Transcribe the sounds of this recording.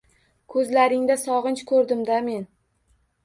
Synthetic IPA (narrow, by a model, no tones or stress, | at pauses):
kʰɵzlaɾɪŋd̪asɒʁɨnt͡ʃkʰɵɾd̪ɪmd̪ame̞n